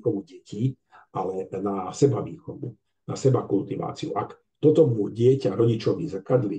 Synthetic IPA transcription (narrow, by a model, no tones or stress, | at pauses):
xɔʋuɟɛci | ʔalɛnasɛbaʋiːxɔʋṵ | na̰sɛbakult̪iʋa̰ːt͡siṵʔak | t̪ɔt̪ɔmuɟɪɛcaɾɔɟit͡ʃɔʋizakad̪li